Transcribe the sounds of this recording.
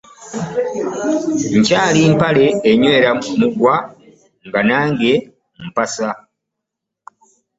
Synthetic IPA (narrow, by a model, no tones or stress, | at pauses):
ɲcaːliːmpale̞ːɲwe̞ːɾamuɡwa | ŋɡanaːŋɡe̞ | m̩pasa